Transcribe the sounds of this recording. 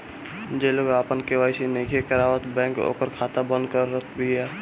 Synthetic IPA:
d͡ʒeloɡaːpənkeʋaːisinekʰekəɾaːʋət̪bɛ̃ːŋko̰ːkəɾkʰaːt̪abə̃nd̪kəɾːət̪bʱiɛː

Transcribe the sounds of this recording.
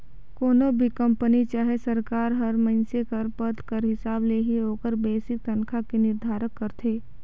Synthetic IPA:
koːnobʱikɐ̃mpənit͡ʃaːɦesɐɾkaːɾɦɐɾmɐ̃nsekəɾpət̪kəɾɦɪsaːbleɦiɦoːkəɾbeːsɪk̚t̪ɐnkʰakinɪɾd̪ʱaːɾəkːəɾt̪ʰeː

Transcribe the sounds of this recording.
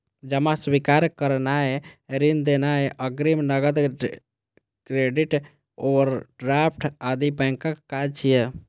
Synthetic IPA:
d͡ʒəmaswikaɾkəɾnaeɾind̪enaeʔəɡɾimnəɡəd̪ | kɾeɖiʈ | oəɾɖɾap̚ʰʈʰad̪ibɛ̃ŋkəkkad͡ʒt͡ʃʰije

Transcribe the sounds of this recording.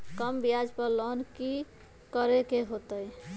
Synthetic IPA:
kəmbijad͡ʒpəɾlɔnki | kəɾekeɦot̪əj

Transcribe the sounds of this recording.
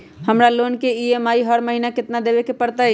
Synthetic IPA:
həmɾalonkeiemaːiɦəɾməɦinakɪt̪nad̪ebekepəɾt̪əj

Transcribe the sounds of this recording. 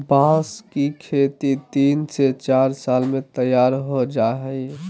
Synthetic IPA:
bãskikʰet̪it̪inset͡ʃaɾsalmet̪əjaɾɦod͡ʒaɦəɪ

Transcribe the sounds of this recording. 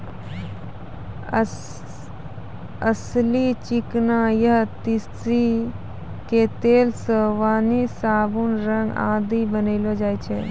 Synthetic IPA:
əslit͡ʃiknãjɐɦt̪isɾi | ket̪eːlsəʋaːnisaːbunɾə̃ŋɡa̰ːd̪ibəneɪlod͡ʒaːit͡ʃʰe

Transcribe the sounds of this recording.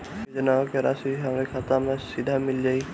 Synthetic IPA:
d͡ʒenakeɾasiɦamɾekʰat̪amɛsid̪ʱamild͡ʒaj

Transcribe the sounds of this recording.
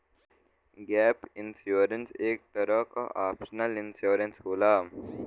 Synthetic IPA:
ɡɛːpɪnsjuːɾənseːk̚t̪ɐɾəka̰ʔaːpsənəlɪnsjuːɾənsɦoːlaː

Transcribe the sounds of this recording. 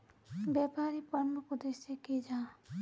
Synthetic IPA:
bɛpaɾipəɾmukud̪esekid͡ʒaː

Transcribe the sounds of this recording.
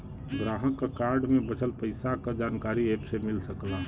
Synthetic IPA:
ɡɾaːɦəkːakaːɾɖmẽbət͡ʃʰəlpəɪsakad͡ʒaːnkaːɾieːpsemɪlsəkla

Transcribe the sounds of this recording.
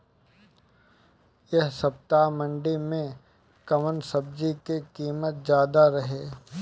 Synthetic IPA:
jɐɦsɐp̚t̪aːmə̃ɳɖimẽ | kɐmənsɐb̚d͡ʒikekiːmət̪̚zjaːd̪aɾɐɦeː

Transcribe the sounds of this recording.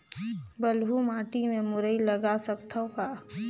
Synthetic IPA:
bəlɦumaːʈimẽmʊɾəiləɡasəkt̪ʰaka

